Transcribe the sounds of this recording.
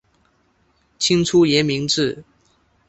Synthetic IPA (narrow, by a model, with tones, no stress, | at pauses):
t͡ɕʰi˥ŋʈ͡ʂʰu˥jɛ˧˥nmi˧˥ŋʈ͡ʂɻ̩˥˩